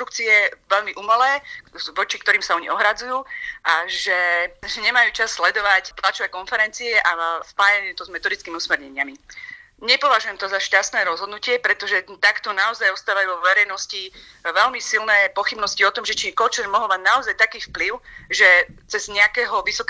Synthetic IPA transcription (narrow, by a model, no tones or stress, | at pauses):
ɾukt͡siɛʋɛʎmiʔumɛlɛːʋɔt͡ʃikt̪ɔɾiːmsaɔɲḭɔɦɾad͡zujuːʔaʒɛʒɛɲɛmajuːt͡ʃasːlɛd̪ɔʋacp̪lat͡ʃɔʋɛːkɔnfɛɾɛnt͡siɛʔaspaːjajuːt̪ɔzmɛt̪ɔd̪it͡skiːmiusmɛɾɲɛɲɪami | ɲɛpɔʋaʒujɛmt̪ɔzaʃcast̪nɛːɾɔzɦɔd̪nucɪɛpɾɛt̪ɔʒɛt̪akt̪ɔnaɔzajɔst̪aːʋajuːʋɔʋɛɾɛjnɔsci | ʋɛʎmisilnɛːpɔxibnɔsciɔt̪ɔmʒɛt͡ʃikɔt͡ʃɛɾmɔɦɔlmaɟnaɔzajt̪akiːfpliʊʒɛt͡sɛzɲɛakɛːɦɔʋisɔk